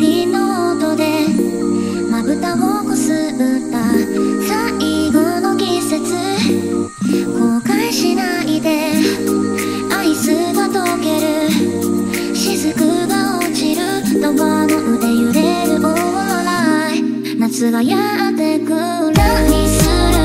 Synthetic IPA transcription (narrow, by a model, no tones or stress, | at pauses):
inot̪od̪e̞ | mabɯ̟t̪aɦokosɨ | ɯ̟t̪ːasa | ʔiɡonoɡʲise̞t͡sɨ | kokaiɕina | id̪e̞ | aisɨɡat̪okeɾɯ̟ | ɕizɨkɯ̟ɡaot͡ɕiɾɯ̟ | t̪obamot̪od̪e̞jɯ̟ɾeɾɯ̟ʔo | βa | na | nat͡sɨɡaja | at̪ekɯ | ɾaisɨɾɯ̟